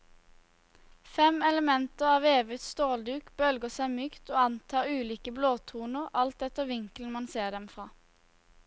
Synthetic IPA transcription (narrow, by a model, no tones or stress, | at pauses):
fɛmɛləmɛnt̪əʁɑːʋeːʋɪt̪st̪oːld̪ʉːkb̥œlɡəsæɪmyːkt̪oːɑnt̪ʰɑːʁʉːliːkəbloːt̪ʰuːnəʁɑlt̪̚d̪ɛt̪əʋɪŋkln̩mɑnseːʁd̪ɛmfʁɑː